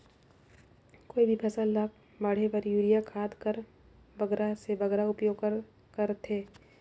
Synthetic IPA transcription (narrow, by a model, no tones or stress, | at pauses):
koːibʱipʰɐsəlːaːk̚ | bɐɽ̤epəɾjuːɾijakʰaːd̪kəɾ | bɐɡɾasebɐɡɾaʊpjoːɡkɾ | kəɾt̪ʰeː